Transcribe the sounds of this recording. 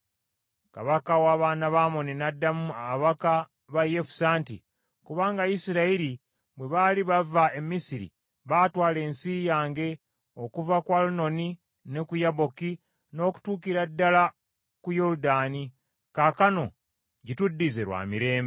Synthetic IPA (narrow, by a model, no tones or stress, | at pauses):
ka̰βakawaːβaːnaβamo̞ninadːamuaβaka | βajefu̥saːntḭ | kuβaːŋɡajisiɾaiɾi | bweβaːliβavae̞misiɾḭ | βaːtwaːle̞ːnsiːjaːŋɡe̞ | o̞kuvakwaluno̞ni | ne̞kujaβo̞ki | no̞ːku̥tuːkiɾadːala | kujo̞ɾudaːni | kakano̞̰ | ɟitudːizeɾwa̰ːmiɾe̞ːmbe